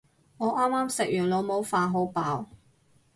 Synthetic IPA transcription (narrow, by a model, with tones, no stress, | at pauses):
ŋɔː˨˧ʔaː˥mːaː˥msɪ˨k̚jyː˨˩nlo˨˧wmo˨˧wfaː˨˧ɦo˨˧˥wpaː˨˥w